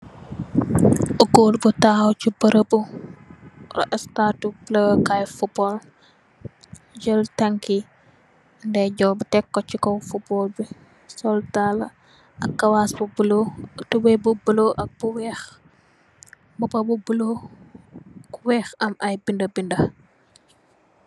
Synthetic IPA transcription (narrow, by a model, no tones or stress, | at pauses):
uɡoːlbutaːwcibɐɾəbu | rɐ̰ʔɐstatublɐwkajfubɔl | ɟəltɐŋki | ndɛɟɔbutɛkːɔcikɔfubɔːlbi | sɔltalɐ | ɐkːɐwaːsbubulotubɛbubuloʔɐk̚b̥uwɛx | bubɐbubulo | kuwɛxɐmɐjbindɐbindɐ